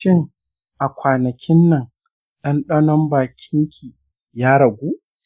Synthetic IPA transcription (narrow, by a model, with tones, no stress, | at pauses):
ɪ˦ŋ | ʔa˨kʷaː˨nɐ˨kʲʰɪ˦nːɐ˨ŋ | ɗɐ˦nɗɐ˦nɔ˦mbaː˨kʲʰɪ˦ŋkʲʰiː˨ | jaː˦ɽɐ˨ɡʷuː˦ʔ